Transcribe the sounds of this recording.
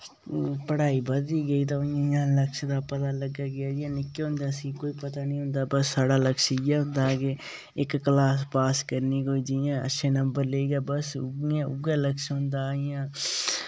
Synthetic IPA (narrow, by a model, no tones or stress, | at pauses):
pəɽaːiːbəd̪iːɡəiːt̪̬ãːjãːləkʃd̪aːpət̪aːləɡaːɡɪjaːd͡ʒɪãːnɪkːeːɦʊ̃nd̪aːsĩːkoːiːpət̪aːnĩːɦʊ̃nd̪aːbəsːaːɽaːləkʃjaːɦʊ̃nd̪aːke | ɪkːlaːspaːskəɾniːkoːiːd͡ʒijãːə̰tːʃʰeːnəmbəɾleiːɡaːbəsɡãʊ̰ɡãːləkʃɦʊ̃nd̪aːɪjãː